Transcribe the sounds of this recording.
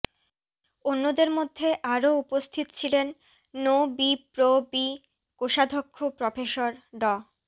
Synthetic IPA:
onːod̪eɾmod̪ʱːeʔaɾoupost̪ʰit̪o̥t͡ɕʰilenː | obipɾobi | koʃad̪ʱokʰːopɾofeʃoɾɖɔ

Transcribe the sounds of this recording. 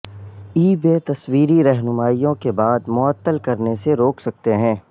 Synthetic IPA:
iːbeːt̪ɐswiːɾiɾɛɦnʊmaːijõkebaːd̪mʊət̪ːəlkɐɾneseɾoːksɐk̚t̪eɦɛ̃ː

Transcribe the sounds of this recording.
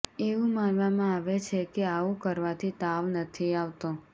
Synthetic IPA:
eʋũmanʋamãaʋet͡ʃʰekeaũkəɾʋat̪ʰit̪aʋnət̪ʰiaʋt̪õ

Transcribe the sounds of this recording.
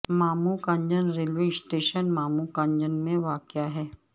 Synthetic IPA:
maːmukãɲd͡ʒənɾelʋeːsʈeːʃənmaːmukãɲd͡ʒənmẽʋaːkjaɦɛː

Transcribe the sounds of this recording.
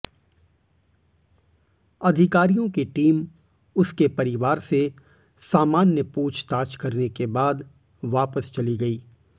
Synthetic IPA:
ɐd̪ʱɪkaːɾijõkiʈiːm | ʊskepɐɾɪʋaːɾse | saːmaːnjəpuːt͡ʃʰt̪aːt͡ʃkɐɾnekebaːd̪ | ʋaːpəst͡ʃɐliɡɐiː

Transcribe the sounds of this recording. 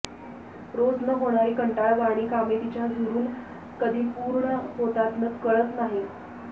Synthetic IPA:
ɾod͡znəɦoɽ̃aɾiːkəɳʈaɭʋaɽ̃iːkamit̪it͡ɕjad͡zʱuɾuːn | kəd̪ʱiːpuːɾɳəɦot̪at̪nət͡skəɭət̪naɦi

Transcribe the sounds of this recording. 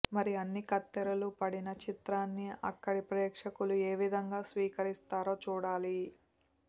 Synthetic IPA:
mɐɾiɐnːikɐt̪ːɐɾɐlupɐɽinɐt͡ʃit̪ɾaːnːiɐ̰kːɐɽipɾeːkʂɐkulue̞ːʋid̪ʱɐŋɡaːsʋiːkɐɾist̪aːɾo̞ːt͡ʃuːɽaːli

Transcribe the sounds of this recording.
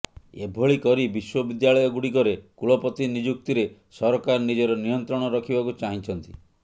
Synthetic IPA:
ebʱoɭikɔɾibiswɔbid̪jaɭɔjɔɡuɽikɔɾekuɭɔpɔt̪inid͡ʒuk̚t̪iɾesɔɾɔkaɾɔnid͡ʒɔɾɔnijɔnt̪ɾɔɽ̃ɔɾɔkʰibakut͡ʃaɦĩt͡ʃʰɔnt̪i

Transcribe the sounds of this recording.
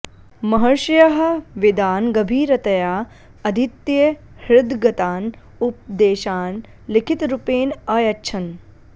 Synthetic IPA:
mɐɦɐɾʃɐjɐɦɐ̆ʋid̪aːnɡɐbʱiːɾɐt̪ɐjaː | ɐd̪ʱit̪jɐ | hɭud̪ɡɐt̪aːn | up̚d̪eːʃaːn | likʰit̪ɾupeːnɐːjɐtːt͡ʃʰɐn

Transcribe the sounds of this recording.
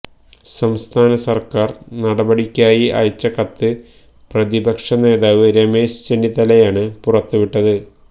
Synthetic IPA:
sɐmst̪ʰaːnɐsɐrkaːrnɐɽɐbɐɽikʲːaːjiʔɐ̰jt͡ɕːɐkɐt̪ːɨ | prɐðibɐkʂɐne̞ːðaːʋɨɾeme̞ːʂt͡ɕenːit̪ɐlɐjaːɳɨpurɐt̪ːuʋiʈːɐðɨ

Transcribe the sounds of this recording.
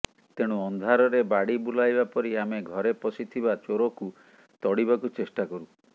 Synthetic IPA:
t̪eɽ̃uɔnd̪ʱaɾɔɾebaɽibulajbapɔɾiameɡʱɔɾepɔsit̪ʰibat͡ʃoɾɔku | t̪ɔɽibakut͡ʃesʈakɔɾu

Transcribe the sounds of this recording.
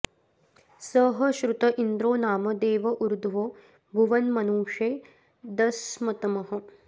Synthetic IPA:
sɐɦɐʃɾut̪ɐʔind̪ɾoːnaːmɐd̪eːʋɐʔuɾd̪ʱʋoː | bʱuʋɐnmɐnuːʂeː | d̪ɐsmɐt̪ɐmɐɦɐ̆

